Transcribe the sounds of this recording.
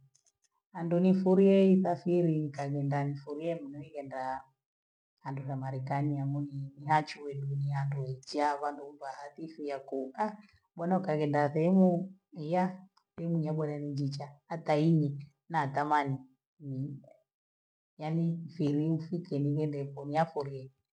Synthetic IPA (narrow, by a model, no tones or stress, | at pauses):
andunifuɾiɛiθafiɾikaɡɛndanifuɾiɛmunɔikɛnda | handusamaɾɛkaniamuniniɦat͡ʃuwɛnunianduaid͡ʒaβandubahaθifijakua | ɓɔnaukaɡɛndaθɛmuija | θɛmuɲaɓɔnanid͡ʒit͡ʃaːtaiɲi | nat̪amani | ni | janifiɾiufikɛnikɛndɛpɔniafuɾiɛ